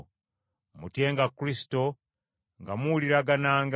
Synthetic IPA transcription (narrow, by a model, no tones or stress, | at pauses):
mutje̞ːŋɡakːɾisi̥to̞ | ŋɡamuliɾaɡanaːŋɡ